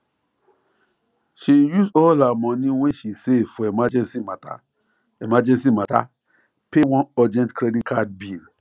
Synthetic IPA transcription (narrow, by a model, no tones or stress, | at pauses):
ʃijusɔlamɔ̃nĩwɛ̃ʃisefɔemad͡ʒɛ̃nsimata̰ | emad͡ʒɛ̃nsimata̰ | pewɔ̃nɔd͡ʒɛ̃ntkɾeditkʰad̚bil